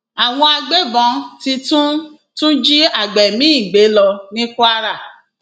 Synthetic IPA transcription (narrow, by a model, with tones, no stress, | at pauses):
a˨w̃ɔ̃˧a˧ɡ͡be˦bɔ̃˧˦ti˧tũ˦ | tũ˦d͡ʒi˦a˦˨ɡ͡bɛ˨mĩ˦i˦˨ɡ͡be˨˦lɔ˧nĩ˦ku˦a˦ɾa˦˨